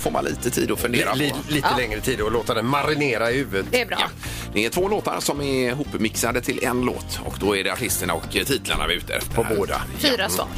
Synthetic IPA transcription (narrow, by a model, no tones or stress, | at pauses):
foːma̰nlʔḭːt̪ət̪ʰḭːd̪ɔfɵnd̪eːɾaliːt̪əlɛŋɾət̪ʰiːd̪ɔloːt̪ad̪ɛmaɾɪneːɾaɪhʉːvət̪ɛbɾ̰j̰ | d̪ɛɛʈʰvoːloːt̪a̰ɾsɔmɛɾɦuːpːmɪksad̪ət̪ʰɪlʔɛnlo̰ːt̪ɔ̰kd̪ɔæɖɛaʈʰɪst̪əɳaɔkt̪ʰiːt̪ələɳa̰vɪʉ̟ːt̪ə̰pʰɔboːd̪a̰fiːɾasvɑ̰ːɾ